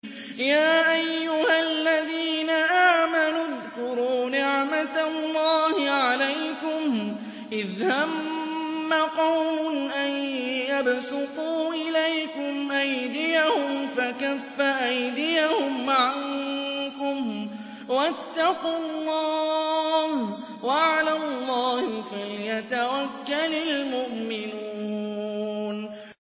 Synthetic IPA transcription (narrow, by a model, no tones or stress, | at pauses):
jaːʔajːʊhalːaðiːnaʔaːmanʊðkʊɾuːnɪʕmat̪lːɑːhɪʕalajkʊm | ʔɪðhamː | aqɑwmʊnʔajjabsʊquːʔɪlajkʊmʔajd̪ɪjahʊmfakafːaʔajd̪ɪjahʊmʕaŋkʊm | wat̪ːɑqʊlˤːɑːh | waʕalalˤːɑːhfajat̪awakːalalmʊʔmɪnuː | n